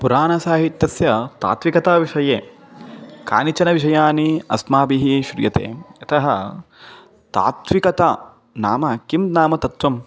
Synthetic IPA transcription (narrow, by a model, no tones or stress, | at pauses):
puɾaːnɐsaːɦit̪ʲjɐsjɐt̪a̰ːt̪ʋikɐt̪aːʋiʂɐjeː | ka̰ːnit͡ʃɐnɐʋiʂ̬ɐjaːniɐsmaːbiɦiʃɾjɐ̰t̪ḛːɐt̪ɐɦɐ | t̪a̰ːt̪ʋikɐt̪aː | naːmɐkimnaːmɐt̪ɐt̪ʋɐm